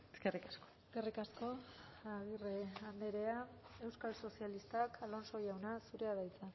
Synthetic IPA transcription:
eskerikaskoeske̞rikasko̞aɣireand̪eɾe̞ae̞wskalso̞sialist̪akʰalo̞nso̞jawnasuɾe̞aðajt͡sa

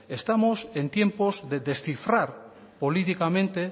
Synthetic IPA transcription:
est̪amosent̪je̞mpozðeðesθifɾaɾ | polit̪ikamẽnt̪e

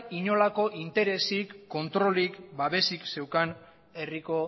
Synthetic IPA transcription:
iɲo̞lako̞ʔint̪e̞ɾe̞sikːo̞nt̪ɾo̞likbaβe̞sikse̞wkan | e̞riko̞

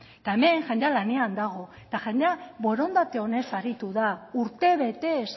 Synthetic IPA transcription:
t̪aeme̞ŋʝend̪ealane̞and̪aɣ̞o̞ | t̪aʝend̪eaβo̞ɾo̞nd̪at̪e̞o̞ne̞saɾit̪uðauɾt̪e̞βe̞t̪e̞s

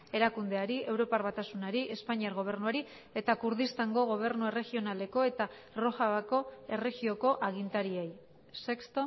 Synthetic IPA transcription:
e̞ɾakund̪e̞aɾiʔe̞wɾo̞paɾβat̪asunaɾiʔe̞spaɲiaɾɣo̞β̞e̞ɾnuaɾi | e̞t̪akuɾðist̪aŋɡo̞ɣ̞o̞β̞e̞ɾnue̞re̞ɣio̞nale̞ko̞e̞t̪a | ro̞ʝaβako̞e̞re̞ɣio̞ko̞ʔaɣ̞int̪aɾiej | se̞kst̪o

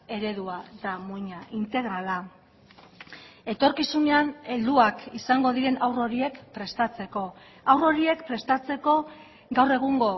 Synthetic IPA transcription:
e̞ɾe̞ðuat̪amuɲaʔint̪e̞ɣɾala | e̞t̪o̞ɾkisune̞ane̞ld̪uakisaŋɡo̞ðiɾe̞nʔawro̞ɾie̞kpɾe̞st̪at͡se̞ko̞ | awro̞ɾie̞kpɾe̞st̪at͡se̞ko̞ | ɡawre̞ɣ̞uŋɡo̞

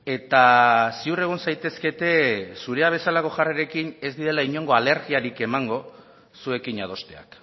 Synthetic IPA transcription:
e̞t̪asiure̞ɣ̞onsajt̪e̞ske̞t̪e̞suɾe̞aβ̞e̞salako̞ʝareɾe̞kine̞zd̪iðe̞laiɲo̞ŋɡo̞ale̞ɾɣiaɾike̞maŋɡo̞ | sue̞kiɲað̞o̞st̪e̞a̰k

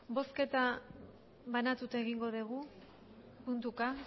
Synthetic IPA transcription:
bo̞ske̞t̪a | βanat̪ut̪aeɣiŋɡo̞ðeɣ̞u | punt̪uka

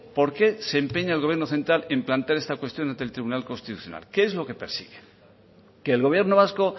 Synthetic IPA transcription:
po̞ɾke̞se̞ːmpe̞ɲaelɣoβjenoθe̞nt̪ɾale̞mplant̪eaɾest̪akwe̞st̪jo̞nãnt̪e̞lt̪ɾiβunalko̞nst̪it̪uθjo̞̰na̰lkeezlo̞ke̞pe̞ɾsḭɣe | ke̞ːlɣo̞βje̞ɾno̞β̞asko̞

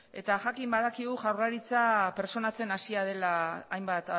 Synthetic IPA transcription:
e̞̰t̪aʝakimbaðakiɣuʝawraɾit͡sape̞ɾt͡so̞nat͡se̞nasiað̞e̞laːjmbat̪

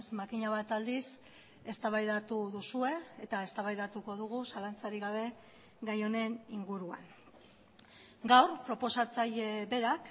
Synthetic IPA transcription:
smakiɲaβat̪ald̪is | e̞st̪aβajðat̪uðusue̞et̪aest̪aβajðat̪uko̞ð̞uɣ̞usalant͡saɾiɣaβ̞e̞ | ɣajo̞ne̞niŋɡuɾua̰n | ɡawrpɾo̞po̞sat͡sajebe̞ɾak

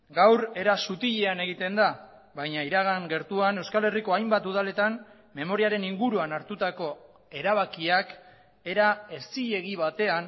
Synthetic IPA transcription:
ɡawre̞ɾasut̪iʎe̞ane̞ɣ̞it̪e̞nd̪a | βajɲaiɾaɣaŋɡe̞ɾt̪uane̞wskale̞riko̞ajmbat̪uð̞ale̞t̪an | me̞mo̞ɾiaɾe̞niŋɡuɾuanaɾt̪ut̪ako̞ | e̞ɾaβ̞akiak | e̞ɾae̞st͡siʎe̞ɣiβat̪e̞an

